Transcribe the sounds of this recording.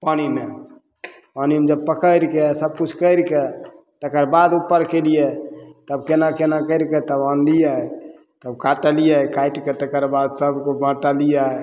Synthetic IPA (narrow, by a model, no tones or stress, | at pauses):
panime | panimed͡ʒəb̚pəkəjɾkesəb̚kut͡ʃʰkəɪɾket̪əkəɾbad̪upːəɾkelijet̪əbkenakenakəɪɾket̪əbãnlija | t̪əbkaʈəlijakaiʈket̪ekəɾbad̪səbkobə̃ʈəlija